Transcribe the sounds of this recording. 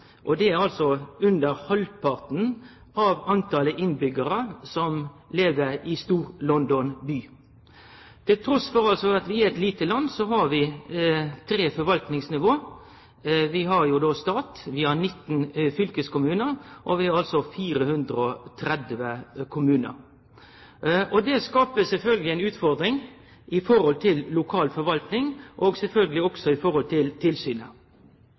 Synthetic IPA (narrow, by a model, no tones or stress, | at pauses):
ʔɔd̪ɛæɾɑlsɔʉnd̪əɾhɔlpʰɑʁt̪n̩ | ɑʋɑnt̪ʰɑləʔɪnbʏɡəɾəsɔmleːʋəɾɪst̪uːɾlɔnd̪ɔnbyː | t̪ʰɪlt̪ʰɾɔsfɔɾɑlsɔɑt̪ʋɪæɛt̪liːt̪əlɑnːsɔɦɑɾʋɪ | t̪ʰɾeːfɔɾʋɑlt̪nɪŋsnɪʋoː | ʋɪɦɑɾjʊd̪ɔst̪ɑːt̪ʋɪhɑɾnɪt̪ːnfʏlkəskʊmʉːnəɾʔɔʋɪhɑɾɑlsɔfiːɾəhʉnd̪ɾəɔt̪ʰɾɛd̪ʋəkʰʊmʉːnə̰ɾ | ɔd̪ɛskɑːpəsɛlfœlɡəlɪæɪnʉːt̪fɔɾd̪ɾɪŋ | ʔɪfɔɾɔlt̪ʰɪllʊkʰɑːlfɔɾʋɑlt̪nɪŋʔɔɡsɛlfœlɡəlɪɔksɔɪfɔɾhɔlt̪ʰɪlt̪ʰɪlsyːnə̰